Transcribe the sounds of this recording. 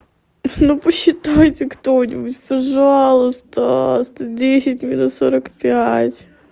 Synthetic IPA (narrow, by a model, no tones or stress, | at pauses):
nupəɕːɪt̪ajtʲɪkt̪onʲɪbutʲpɐʐɑɑlˠʊst̪ost̪odʲesʲɪtʲmʲinut̪soɾəkpʲaætʲ